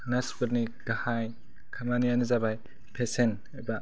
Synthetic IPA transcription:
naspuɾnidahaj | kʰamanijanɯzabaj | pʰesen | aba

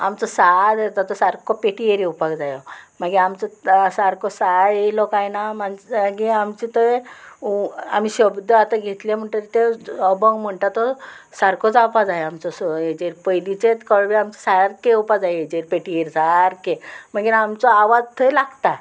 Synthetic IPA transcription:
amt͡sɔsad̪et̪at̪ɔsaɾkɔpeʈieɾiupakd͡zajɔmaɡiamt͡sɔsaɾkɔsajelɔkajnamanaɡiamt͡ɕit̪ə | a̰m̤iɕəbd̪ʱəat̪aɡʱet̪lem̤əɳʈ̪əɾt̪eəbəɡm̤əɳʈ̪at̪ɔ | saɾkɔt͡sapad͡zajamt͡sɔsed͡ʑeɾpəjlit͡set̪kəɭʋiamt͡sḁsaɾkeupad͡zajed͡ʑeɾpeʈieɾsaɾkemaɡiɾamt͡sɔaʋad͡zt̪ʰəjlaɡt̪a

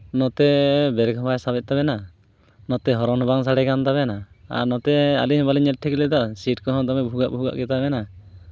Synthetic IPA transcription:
nɔt̪ɛbɛɾkʰɔbajsabɛt̪̚ˀt̪abɛna | nɔt̪ɛɦɔɾɔnɔbaŋsaɽɛkant̪abɛna | a̰nɔt̪ɛa̰liɦbaliɲɛl̚ʈʰɛkilɛd̪asiʈkɔɦɔ̃d̪ɔmɛbʱuɡaʔbʱuɡa̰ʔɡɛt̪abɛna

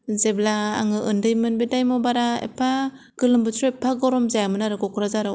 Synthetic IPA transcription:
zeblaːŋɯʔɯndɯjmɯnbedajmɔbaɾaḛpʰa | ɡ̥ɯlɯmbɯtʰɾɔepʰːaɡɔɾɔmzajamɯnaɾɯɡɔkʰɾazaɾɯ

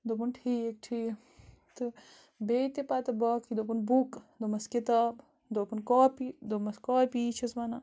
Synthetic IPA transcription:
d̪opunʈʰiːkʈʰiː | t̪ɨ | beit̪epaːt̪ɐbɐːkʰid̪opunbukd̪omɐskit̪aːb | d̪oːpunkaːpid̪omɐskaːpiːt͡ʃʰɐsmɐna

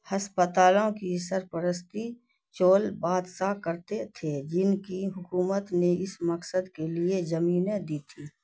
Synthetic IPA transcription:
hɐspət̪aːlõkisəɾpəɾəst̪i | t͡ʃoːlbaːd̪sakəɾt̪et̪ʰed͡ʒɪnkiɦʊkuːmət̪neɪsməksəd̪kelied͡ʒəmiːned̪iːt̪ʰiː

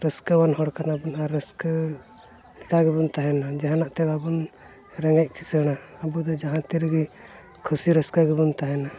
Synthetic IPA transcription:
ɾəskəwanɦɔɽkanabunaɾːəskə | ɛkaɡɛbunt̪aɦɛnad͡ʒaɦãnaʔt̪ɛbabun | ɾɛŋɡac̚ˀkʰi̥sɦəɽ̃aː | bud̪ɔd͡ʒaɦãt̪iɾɡi | kʰusiɾəskaɡɛbunt̪aɦɛna

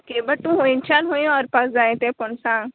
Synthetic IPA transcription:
keːbɐʈːũɦoĩnt͡ʃanɦoj̃ɔːɾpɐsd͡ʒaːẽt̪epʊnsãː

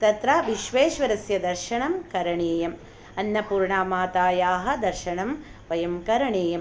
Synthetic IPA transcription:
t̪ɐt̪ɾaːʋiʃʋeːʃʋɐɾɐsjɐd̪ɐɾʃɐɳɐmkɐɾɐɳeːjɐm | ɐnːɐpuːɾɳaːmaːt̪aːjaːɦɐ̆d̪ɐɾʃɐɳɐm | ʋɐjɐmkɐɾɐɳeːjɐm

